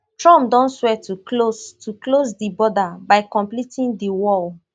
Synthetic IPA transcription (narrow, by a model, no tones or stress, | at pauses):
tɹɔ̃mp̚dɔ̃nswɛtuklostʰuklosdibɔdabaɪkɔ̃mplitĩndiwɔl